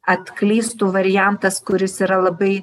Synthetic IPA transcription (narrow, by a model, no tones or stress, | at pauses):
ɐt̪klʲiːst̪uːʋɐɾʲɪjæˑnt̪ɐskʊɾʲɪsiːɾɐlˠɐbɐɪ